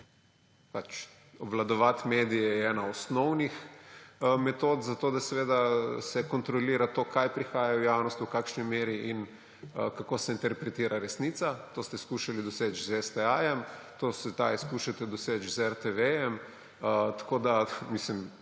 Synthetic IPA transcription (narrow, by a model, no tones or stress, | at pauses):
pat͡ʃ | ɔbʋlad̪ɔʋat̪meːd̪ijɛɛɛːnaɔsnɔwnix | mɛt̪oːt̪zat̪oːd̪asɛʋeːd̪asɛkɔnt̪ɾɔliːɾat̪oːkajpɾixaːjawjawnɔst̪wkakʃnimeːɾiʔin | əkakosɛint̪ɛɾpɾɛt̪iːɾʔaɾɛsnit̪sat̪oːst̪ɛskuːʃalid̪ɔseːt͡ʃzɛst̪ɛaːjɛmt̪oːsɛt̪ajskuʃat̪ɛd̪ɔseːt͡ʃzɛɾt̪eʋejɛm | t̪ḁkoːd̪amislim